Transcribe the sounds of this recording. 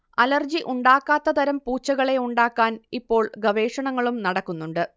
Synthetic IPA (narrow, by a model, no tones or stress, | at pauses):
ɐlɐrd͡ʑiʔuɳɖaːkːaːt̪ːɐt̪ɐɾɐmpuːt͡ɕːɐɣɐɭe̞uɳɖaːkːaːnipːo̞ːɭɡɐʋe̞ːʂɐɳɐŋːɐɭumnɐɽɐkːunːuɳɖɨ